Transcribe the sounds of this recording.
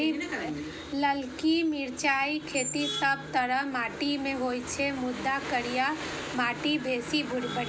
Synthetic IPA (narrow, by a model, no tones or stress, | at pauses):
ləlkimɪɾt͡ʃaːikʰeːt̪isəb̚t̪əɾəɦmaːʈimẽɦoːjt͡ʃʰemʊd̪ːakəɾija | maːʈibʱeːsibʱʊɾbəɽ